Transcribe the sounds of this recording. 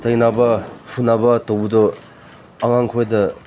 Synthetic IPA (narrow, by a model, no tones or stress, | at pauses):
zajnabɐpʰunːabɐtowbudɔ | ɐŋaŋkʰojdɐ